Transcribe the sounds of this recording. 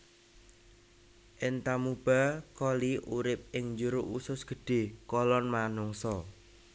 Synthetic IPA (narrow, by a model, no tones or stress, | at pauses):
ʔɪnt̪amub̥a̤kɔliʔuɾɪp̚ɪŋɲd͡ʒuɾoʔusʊsɡ̥ə̤ɖ̥e̤kɔlɔnmanʊŋsɔ